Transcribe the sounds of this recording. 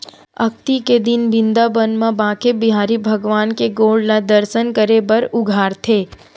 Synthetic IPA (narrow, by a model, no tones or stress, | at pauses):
ɐk̚t̪iked̪ɪnbɪ̃nd̪abənmãbãːkebɪɦaːɾibʱɐɡʋaːnkeɡoːɭɖlad̪əɾsənkəɾebɐɾʊɡʱaːɾt̪ʰeː